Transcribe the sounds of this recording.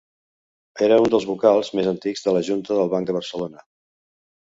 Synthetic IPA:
eɾəund̪əlˠzβukalˠzmezənt̪iɡzðələʒunt̪əðəlˠβaŋk̚d̪əβəɾsəlonə

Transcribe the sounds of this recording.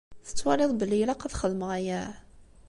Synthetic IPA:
θə̥t͡sːwɑɾiðˤbəlːilaqɑðχəðmʁæjæ

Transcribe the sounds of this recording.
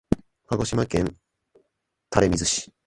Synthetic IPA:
haɡo̞ɕimakẽ̞n | t̪aɾe̞mʲizɨɕi̥

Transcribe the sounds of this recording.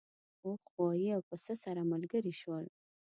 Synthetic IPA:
oxwɑjiawpəsəsaɾamalɡəɾiʃwəl

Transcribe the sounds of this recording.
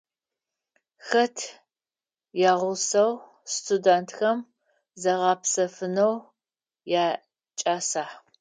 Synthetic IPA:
xɐtʰ | jaːʁʷʊsɐw | stʰʼudantʰxɐm | zɐʁɑpsɐfɨnɐw | jaː | t͡ʃʼaːsaːħ

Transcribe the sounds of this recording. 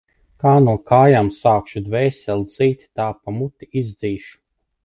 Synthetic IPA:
kaːnuɔkaːjamsaːkʃud̪vɛːsʲɛlˠd̪ziːt̪ʲi̥t̪aːpamut̪iizd̪ziːʃu̥

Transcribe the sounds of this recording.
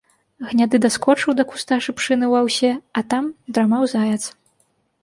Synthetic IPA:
ɣnʲad̪ɨd̪askɔt͡ʂɨwd̪ɐku̥st̪aʂɨpʂɨnɨwawsʲɛɐt̪amd̪ɾamawzajɛt̪s

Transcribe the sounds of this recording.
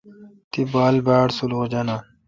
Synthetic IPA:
t̪ibaːlbaːɽsuluɣd͡ʑɐna

